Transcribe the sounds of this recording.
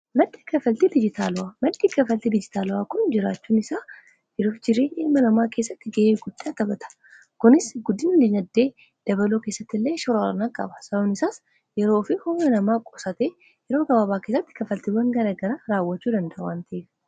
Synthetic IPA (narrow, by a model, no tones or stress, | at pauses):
mɐd̪ːi̥ːkɐfɐlt̪id̪ɪd͡ʒɪt̪ʰaːlʊwaːmɐd̪ːiːkɐfɐlt̪id̪ɪd͡ʒɪt̪aːlʊaːkʊnd͡ʒɪɾaːt͡ʃːuːnɪsaː | jɛɾoːfd͡ʒɪɾeːʔeːmːɐnɐmaːke̞ːsːɐt̪ːɪɡeːɪɡʊd̪ːaːt̪ɐbɐt̪ʰɐ̥ | kʊnɪsɡʊd̪ːɪnlɪnɐd̪ːe̞ː | d̪̥ɐβɐloːke̞ːsːɐt̪ːɪlːe̞ːʃɔɾaɾɐ̰naːkʼɐ̰bɐsɐɐnɪsaːs | jɛɾoːfɪhʊɐnɐmaːkʼɔsɐt̪eː | jɛɾoːɡɐbaːbaːkesɐt̪ːɪ̥kɐfɐlt̪ɪbɐŋɡɐɾɐɡɐɾaːɾaːwːɐt͡ʃːuːd̪ɐnd̪ɐʔʊwaːnt̪ɐeːf